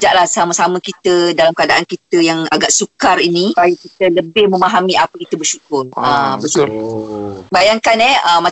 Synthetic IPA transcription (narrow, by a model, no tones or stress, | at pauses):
d͡ʒaʔlahsaməsamə̃kit̪ədalamkəadaʔankit̪əjaŋaɡaʔsukariniajikit̪ələbɪhmə̃maɦamiapəkit̪əbərʃukʊrəbət̪ʊl | bajaŋkanɛəma